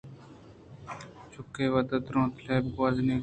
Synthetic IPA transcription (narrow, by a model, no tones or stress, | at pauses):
t͡ʃʰʊkːeːʋəd̪ət̪ɾõːt̪ʰleːb̚ɡaːzniː